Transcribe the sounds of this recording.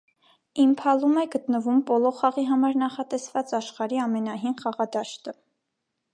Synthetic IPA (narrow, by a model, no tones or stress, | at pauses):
impʰɑlumɛɡət̪nəvumbɔlɔχɑʁiɦɑmɑɾnɑχɑt̪ɛsvɑt͡sɑʃχɑɾiɑmɛnɑɦinχɑʁɑd̪ɑʃt̪ə